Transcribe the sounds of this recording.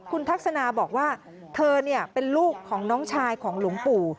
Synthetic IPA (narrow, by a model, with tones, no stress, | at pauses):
kʰu˧nt̪ʰa˦˥k̚sa˧naː˧bɔː˨˩k̚waː˥˩ | t̪ʰɤː˧ni˥˩əpe˧nluː˥˩kʰːɔː˩˦ŋnɔː˦˥ŋt͡ɕʰaː˧jkʰɔː˩˦ŋlu˨˩˦əŋpʰuː˧˩